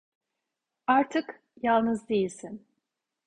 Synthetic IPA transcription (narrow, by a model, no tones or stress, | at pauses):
aɾt̪ʰɯk | jalˠnɯzd̪ejilʲsin